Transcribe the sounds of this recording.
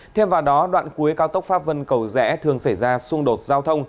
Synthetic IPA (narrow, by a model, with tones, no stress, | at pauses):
t̪ʰe˧mvaː˨˩wɗɔ˨˦ɗwa̰ː˧˨nku˨˦jkaː˨˦wt̪ə˦˥wk͡p̚faː˦˥p̚və˧nkə˨˩wzɛ̰˧˥t̪ʰɨ˨˩əŋsa˧˩jzaː˧sʊ˧ŋɗo˨˩t̚zaː˧wt̪ʰə˧wŋ͡m